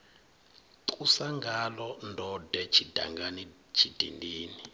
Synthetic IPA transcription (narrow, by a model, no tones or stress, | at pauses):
ǀusaŋɡalɔndʱɔdɛt͡ʃʰid̥ʱa̰ŋɡani | t͡ʃʰid̥ʱḭndiːni